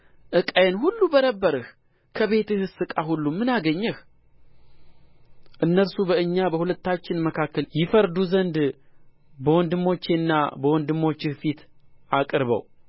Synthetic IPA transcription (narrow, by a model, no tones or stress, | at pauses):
ʔɨkʼajenhulːubənəbːəɾɨh | kʰəβe̞t̪ɨhɨsɨkʼaɦulːumːɨnaɡəɲːɛh | ʔɨnːəɾsubəɨɲːabəhulət̪ːat͡ʃːɪnməkʰakːəljɪfəɾd̪uzənd̪ | bəwɔnd̪ɨmːo̞t͡ʃːenːa̰bəwɔnd̪ɨmːo̞t͡ʃːɪhfit̪ʔakʼɾβə̰w